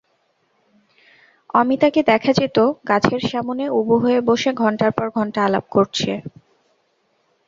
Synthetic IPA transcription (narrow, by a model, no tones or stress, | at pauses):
amit̪aked̪ɛkʰad͡ʑet̪okat͡ɕʰeɾʃamoneuboɦoeboʃeɡʱɔɳʈaɾpɔɾɡʱɔɳʈaalab̚koɾt͡ɕʰe